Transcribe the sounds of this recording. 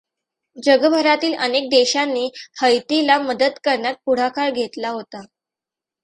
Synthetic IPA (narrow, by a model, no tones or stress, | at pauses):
d͡ʑəɡəbʱəɾat̪iːlənek̚d̪eɕanːihəjt̪ilaməd̪əd̪kəɾɳjat̪̚puɽ̤akʰaɭɡʱet̪laɦot̪a